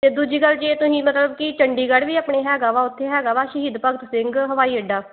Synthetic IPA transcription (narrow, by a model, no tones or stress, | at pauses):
t̪eːd̪ud͡ʒiːkəlːd͡ʒeːt̪ʊsĩːmət̪ləb̚kɪt͡ʃəɳɖiːɡəɽʋiːaːpɳeːɦɛːɡaːʋaːʊt̪ʰːeːɦɛːɡaːʋaːʃəɦiːd̪pəɡt̪sɪ̃ŋɡɦəʋaːiːəɖaː